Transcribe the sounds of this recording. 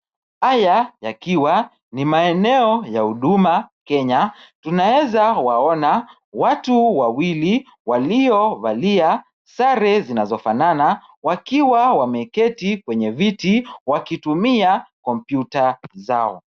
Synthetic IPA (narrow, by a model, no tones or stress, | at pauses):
hajajakiwa | nimaɛnɛɔjahuɗumakɛɲatunawɛzawaɔna | watuwawili | waliɔvalia | saɾɛzinazɔfanana | wakiwawamɛkɛtikwɛɲɛvitiwakitumiakɔm̩pjutazaɔ̰